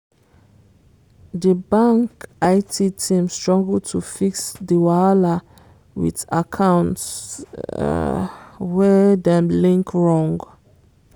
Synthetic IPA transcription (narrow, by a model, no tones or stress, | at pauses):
dəbãŋkaɪtʰitʰĩmstɹɔ̃ŋɡltʰufiksdiwaala | wḭtakʰãw̃nts | wɛdɛ̃mlĩŋkɹɔ̃ŋɡ